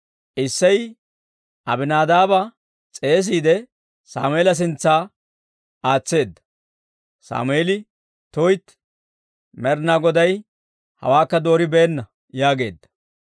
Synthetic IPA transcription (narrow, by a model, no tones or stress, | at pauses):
ʔɪsːɐj | ʔɐbɪnaːd̪aːbɐ | t͡sʼe̞ːs̬iːd̪ɛ | sa̰ːmʊeːlɐs̬ɪnt͡sːaː | aːt͡sːe̞ːd̪ːɐ̥ | sa̰ːmʊeːlɪ | t̪ojt̪ | mɛɾnaɡɔd̪ɐj | hɐ̰waːkːɐd̪o̞ːɾɪbeːnːɐ | jaːɡe̞̰ːd̪ːɐ̥